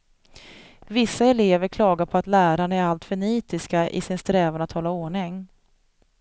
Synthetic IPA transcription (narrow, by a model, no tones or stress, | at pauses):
vɪsːaɛleːvəɾkʰlɑːɡaɾpʰɔat̪læːɾaɳæɾalt̪fœɳiːt̪ɪskaʔɪ̰sɪnst̪ɾɛːvaɳat̪hɔlːaoːɳɪŋ